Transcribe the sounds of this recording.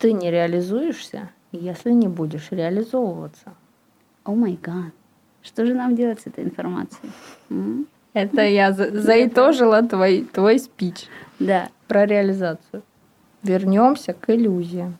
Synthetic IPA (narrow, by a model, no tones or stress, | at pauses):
t̪ɨnʲɪɾʲɪəlʲɪzujɪʂsʲə̰ | jesʲlʲɪnʲɪbudʲɪʂɾʲɪəlʲɪzovəvət̪sə | omɐjɡat̪ | ʂt̪oʐɨnamdʲelˠətʲsɛt̪əjɪnfɐrma̰t̪sɨɪm̩ | ɛt̪əjazzəɪt̪o̞ʐɨlˠət̪vojt̪vojspʲit͡ɕd̪apɾəɾʲɪəlʲɪzat̪sɨjʊ | vʲɪrnʲo̞msʲəkɪlʲuzʲɪjɪ